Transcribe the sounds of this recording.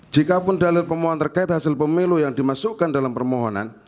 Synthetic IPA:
d͡ʒikapʊndalɪrpərmoɦɔnt̪ərkaɪt̪̚hasɪlpəmilujaŋdimasukandalampərmoɦɔna̰n

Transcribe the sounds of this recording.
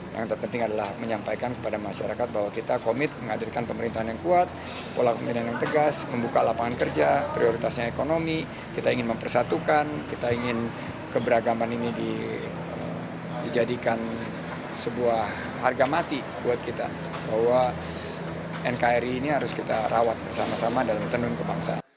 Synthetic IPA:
ja̰ŋt̪ərpənt̪ɪŋadala̰hməɲampajkankə̥padamaʃaɾakat̪̚baɦwakit̪akomɪt̪̚məŋadirkanpəməɾint̪aɦanjaŋkuat̪̚ | polakominanjaŋt̪əɡasməmbukalapaŋankərd͡ʒapɾioɾit̪asɲaekonomi | kit̪aiŋɪnməmpərsat̪ukankit̪aiŋɪn | kəbəɾaɡamaninidi | ə̰m | did͡ʒadikan | səbuahː | arɡamat̪i | buat̪̚kit̪a̰ | bahwa | ɛnkaɛɾiːniɦaɾʊskit̪aɾʔawat̪̚bərsamasamadalamt̪ənʊnkəbaŋsa̰n

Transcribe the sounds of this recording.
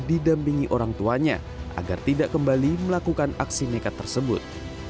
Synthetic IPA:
didampiŋiʔoɾaŋt̪uaɲa̰ | ʔa̰ɡa̰rt̪idaʔkəmbaliməlakukanaksinekat̪ːərsəbʊt̪̚

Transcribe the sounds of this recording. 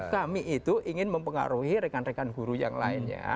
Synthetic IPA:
kamiʔit̪uʔiŋɪnməmpəŋa̰ɾuhiɾekanrekanɡuɾuja̰ŋla̰ɪnɲa̰

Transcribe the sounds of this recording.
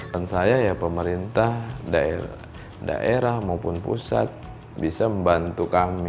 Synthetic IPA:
ansajajapəməɾint̪ahdae | da̰ʔeɾahmaupʊnpṵsa̰t̪̚ | bisaməmbant̪ukami

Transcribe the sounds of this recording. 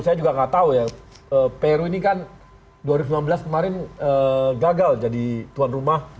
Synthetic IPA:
sajad͡ʒuɡaŋat̪auja | əpeɾuinikan | duaɾiɡusimanbəlaskəmaɾɪnəɡaɡald͡ʒadit̪uanrumah

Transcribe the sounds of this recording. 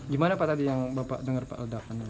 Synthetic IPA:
ɡimanapaʔt̪adijaŋbapa̰ʔdəŋərpa̰ʔldap̚an

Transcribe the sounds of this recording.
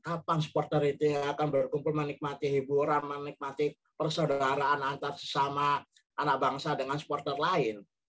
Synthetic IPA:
kapaŋsə̥pɔrt̪ərit̪uakanbərkumpʊlmənɪk̚mat̪iɦibuɾanmənɪk̚mat̪i | pərsodaɾaːnant̪arsə̥sama | anak̚baŋsadəŋansə̥pɔrt̪ərlaɪn

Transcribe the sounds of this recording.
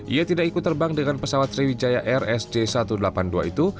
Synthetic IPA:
ʔḭat̪idakikut̪ːərbaŋdəŋanpəsawat̪ːɾiwid͡ʒajaʔɛrɛsd͡ʒesat̪udəlapandua̰it̪u

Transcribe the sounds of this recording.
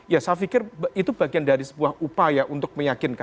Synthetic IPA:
jasafikɪrbit̪ub̥aɡiandaɾisə̥buahupajaʔunt̪ʊk̚məjakɪnka

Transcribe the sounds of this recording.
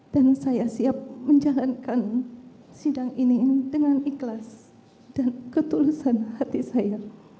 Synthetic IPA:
d̥ansajasiap̚məɲd͡ʒalankan | sidaŋinidəŋaniklas | d̥ankət̪ulusanhat̪isaja

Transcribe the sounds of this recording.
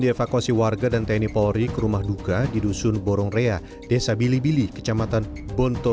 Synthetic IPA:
diefakuasiwarɡadant̪anipɔɾikəɾumahdukadidusʊnbɔɾɔŋrea | d̥esabilibilikə̥t͡ʃamat̪an | bɔnt̪ɔ

